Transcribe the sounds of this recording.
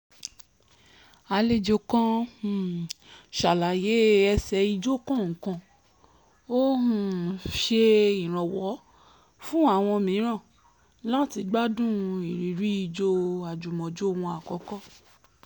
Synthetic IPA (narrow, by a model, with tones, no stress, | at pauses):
a˧le˦˨d͡ʒo˧kɔ̃˦˨ | ʃa˨la˨je˨˦ɛ˧sɛ˧i˧d͡ʒo˦kɔ̃˦˨ŋ̩˨kã˧˨ | o˦hũ˨ʃe˧ĩ˨ɾ̃ɔ̃˨wɔ˨˦ | fũ˦a˦˨w̃ɔ̃˧mĩ˨˦ɾ̃ã˦˨ | la˦ti˧ɡ͡ba˦dũ˦i˨ɾi˨ɾi˨˦i˦˧˨d͡ʒo˧a˨d͡ʒu˨mɔ̃˨d͡ʒo˦˨w̃ɔ̃˧a˨kɔ˨˦kɔ˦